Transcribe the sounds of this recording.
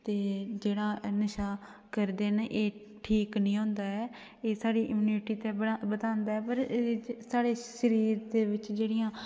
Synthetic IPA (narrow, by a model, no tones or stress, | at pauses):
t̪eːd͡ʒeːɽaːnɪʃaː | kəɾd̪eːnʔeː | ʈʰiːknĩːɦõːnd̪aːɛː | eːsaːɽiːʔɪmuːniːʈiːt̪ẽːəɽabət̪ãːnd̪aːɛːpəɾsaːɽeːʃəɾiːɾd̪eːʋɪt͡ʃd͡ʒeːɽɪjãː